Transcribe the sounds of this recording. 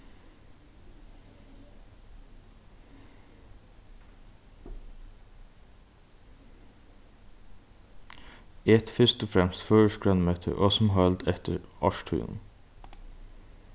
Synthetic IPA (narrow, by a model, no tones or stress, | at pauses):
ɛt̪fʏst̪oːfɾɛmst̪føːɹəʃkɹœnmøːt̪ʰə̰ʔoːsm̩ɦœld̪ɛt̪ʰəɹʔɑʃʈʰʉ̰ːnn̩